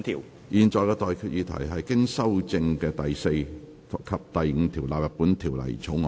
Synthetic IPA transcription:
t̪ʰiː˨˩w | jiː˨˧nt͡ʃɔː˨˧jkɛː˧t̪ɔː˨˧jkʰyː˨t̚jiː˨˧t̪ʰɐ̰˨˩jɦɐ˨jkɪ˥ŋsɐ˥wt͡sɪ˧ŋkɛː˧t̪ɐ˨jse˧j | kʰːɐ˨p̚t̪ɐ˨jŋ̩˨˧t̪ʰiː˨˩wlaː˨p̚jɐ˨˩t̚puː˨˥nt̪ʰiː˨˩wlɐ̰˨˩jt͡ʃʰo˨˥ŋɔː˨

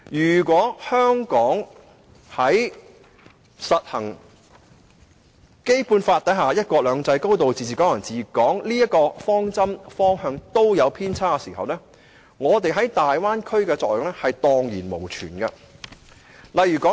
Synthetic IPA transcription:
jyː˨˩kʷɔː˨˥hœː˥ŋkɔː˨˥ŋ | hɐ˨˥j | sɐ˨t̚hɐ˨˩ŋ | ke˥jpuː˧nfaː˧t̚t̪ɐ˨˥jɦaː˨˧jɐ˥t̚kɔː˧lœː˨˧ŋt͡sɐ˧jko˥wt̪o˨wt͡siː˨˩t͡siː˨kɔː˨˥jɐ˨˩nt͡siː˨˩kɔː˨˥ŋliː˥ɐ˥t̚kɔː˧fɔː˥ŋt͡sɐ˥mfɔː˥ŋhœː˧ŋt̪o˥wjɐ˨˧wpʰiː˥nt͡sʰaː˥kɛ˧siː˨˩ɦɐ̰˨wnɛː˥ | ŋɔː˨˧t̪e˨jɦɐ˨˥jt̪aː˨jwaː˥nkʰɵ˥ɥkɛː˧t͡sɔː˧k̚jo˨ŋlɛː˥hɐ˨jt̪ɔː˨˧ŋjiː˨˩nmo˨˩wt͡ʃʰy̰ː˨˩nɡɐ˧ | lɐ˨jyː˨˩kɔ˨˦˥

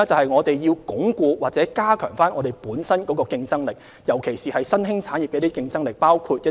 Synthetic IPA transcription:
t͡sɐ˨whɐ˨jŋɔː˨˧t̪e˨jji˧wkʊ˨˥ŋkuː˧waː˨˩t͡sɛː˨˥kaː˥kʰœ̰ː˨˩ŋfaː˥nʔɔː˨˧t̪e˨jpuː˨˥nsɐ˥nkɔː˨˥kɔː˧kɪ˧ŋt͡sɐ˥ŋlɪ˨k̚ | jɐ˨˩wkʰe˨˩jsiː˨hɐ˨jsɐ˥nɦɪ˥ŋt͡sʰaː˨˥nji˨p̚kɛ˨˧t̪i˥kɪ˧ŋt͡sɐ˥ŋlɪ˨˩k̚paː˥wkʰuː˧t̚jɐ˥

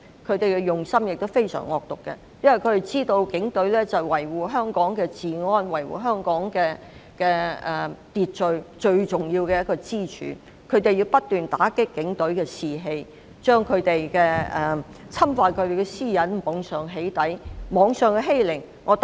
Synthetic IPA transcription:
kʰɵ˨˧ɥt̪e˨jkɛ˧jʊ˨˩ŋsɐ˥mjɪ˨k̚t̪o˥wfe˥jsœ̰ː˨˩ŋɔ̰ː˨k̚t̪ʊ˨kːɛ̰˧ | jɐ˥nwɐ˨jkʰɵ˨˧t̪e˨˩jt͡siː˥t̪o˧wkɪ˨˥ŋt̪ɵ˨˥ɥlɛː˥t͡sɐ˨wwɐ˨˩jwuː˨ɦœː˥ŋkɔː˨˥ŋkɛː˧t͡siː˨ŋɔː˥nwɐ˨˩jwṵː˨ɦœː˥ŋkɔː˨˥ŋkɛː˧ | kɛː˧ɛ˨t̪iː˨t̚t͡ʃɵ˨ɥt͡ʃɵ˧ɥt͡ʃʊ˨ŋjiː˧wkɛ˧jɐ˥t̚kɔː˧t͡siː˥t͡ʃʰy̰ː˨˦ | kʰɵ˨˧˥ɥt̪e˨ji˧wpɐ˥t̚t̪yː˨nt̪aː˨˥kɪ˥kːɪ˨˥ŋt̪ɵ˨˥ɥkɛː˧siː˨˧ɦe˧j | t͡ʃœː˥ŋkʰɵ˨˧ɥt̪e˨jkɛː˧ɛ˨ | t͡sʰɐ˥mfaː˧tkʰɵ˨˧ɥt̪e˨jkɛ˧siː˥jɐ˨˥nmɔː˨˧ŋsœː˨ŋɦe˨˥jt̪ɐ˨˥jmɔː˨˧ŋsœː˨ŋkɛ˧ɦe˥jlɪ˨˩ŋ | ŋʔɔː˨˧t̪

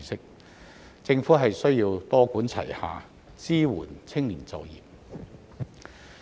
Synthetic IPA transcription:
sɪ˥k̚ | t͡sɪ˧ŋfuː˨˥ɦɐ˨jsɵ˥ɥjiː˧wt̪ɔː˥kuː˨˥nt͡sʰɐ̰˨˩jha̰ː˨˧ | t͡siː˥wuː˨˩nt͡sʰɪ˥ŋliː˨˩nt͡sɐ˨˧wjḭː˨p̚

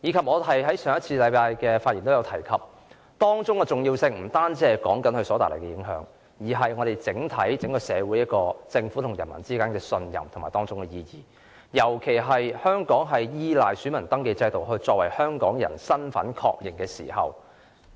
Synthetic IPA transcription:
jiː˨˧kʰɐ˨p̚ŋɔː˨˧ɐ˨jɦɐ˨˥jsœː˨˩ŋjɐ˥t̚t͡sʰiː˧lɐ˨˧jpaː˧jkɛː˧faː˧t̚i˨nt̪o˥jɐ˨˧wt̪ʰɐ˨˩jkʰɐ˨p̚ | t̪ɔː˥ŋt͡sʊ˥ŋkɛ˧t͡sʊ˨ŋjiː˧wsɪ˧ŋm̩˨˩t̪aː˥nt͡sɛː˧kɔː˨˥ŋkɐ˨˥nhɵ˧ɥsɔː˨˧˥aː˨lḛ˨˩kɛ˧jɪ˨˧˥ŋɦœ̰ː˨˧˥ŋ | jiː˨˩ɦɐ˨jŋɔː˨˧ɾe˨jt͡sɪ˨˥ŋt̪ʰɐ˨˥jt͡sɪ˨˥ŋkɔː˧sɛː˨˧wu˨˥jɐ˥t̚kɔː˧t͡sɪ˧ŋfu˨˥t̪ʰʊ˨˩ŋjɐ˨˩nmɐ̰˨˩nt͡siː˥kaː˥nkɛː˧sɵ˧njɐ̰˨˩mt̪ʰmaː˨jt̪ɔː˥ŋt͡sʊ˥ŋkɛ˧jiː˧jiː˨˩ | jɐ˨˩wkʰe˨˩jɦɐ˨jhœː˥ŋkɔː˨˥ŋɦɐ˨jjiː˥laː˨jsy˨˥mɐ˨˩nt̪ɐ˥ŋke˧jt͡sɐ˧jt̪o˨wɦɵ˧ɥt͡sɔː˧k̚wɐ˨˩jhœː˥ŋkɔː˨˥ŋjɐ̰˨˩nsɐ˥nfɐ̰˨˥nkʰɔ̰ː˧k̚jɪ˨˩ŋkɛː˧sḭː˨˩ɦɐ̰˨w

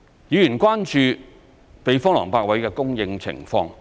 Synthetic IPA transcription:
jiː˨˧jyː˨˩nkwaː˥nt͡ʃyː˧ | pe˨˧jfɔː˥ŋlɔ̰ː˨˩ŋpaː˧k̚wɐ˨˥jkɛː˧kʊ˥ŋjɪ˧ŋt͡sʰɪ̰˨˩ŋfɔː˧ŋ

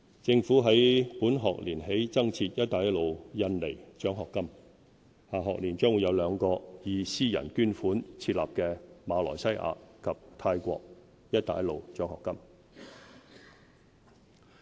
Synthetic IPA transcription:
t͡sɪ˧ŋfuː˨˥ɦɐ˨˥jpuː˨˥nɦɔː˨k̚liː˨˩nɦe˨˥jt͡sɐ˥ŋt͡sʰiː˧t̚jɐ˥t̚t̪aː˨˥jɐ˥tlo˨wjɐ˧nle˨˩jt͡ʃœː˨˥ŋɦɔː˨kːɐ˥m | haː˨˩ɦɔː˨k̚liː˨˩nt͡ʃœː˥ŋwu˨˧˥jɐ˨˧wlœː˨˧ŋkɔː˧jiː˨˧siː˥jɐ̰˨˩nkyː˥nfuː˨˥nt͡sʰiː˧t̚la̰ː˨p̚kɛː˧maː˨˧lɔ̰ː˨˩sɐ˥jʔa̰ː˧kʰɐ˨p̚t̪ʰaː˧jkʷɔ̰ː˧k̚ | jɐ˥t̚t̪aː˨˥jɐ˥lo˨˧wt͡ʃœː˨˥ŋhɔː˨kːɐ˥m

